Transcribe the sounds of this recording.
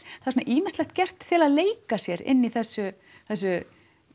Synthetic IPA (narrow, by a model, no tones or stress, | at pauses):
θaðɾsonaʔiːmɪnst̪lɛxt̪̚cɛr̥t̪θʰɪlaðleːjkasjɛɾɪ̰nːiθɛsːʏ | θɛsːʏ